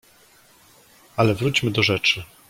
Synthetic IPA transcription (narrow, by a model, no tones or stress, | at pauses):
alɛvɾut͡ɕmɘd̪ɔʐɛt͡ʂɘ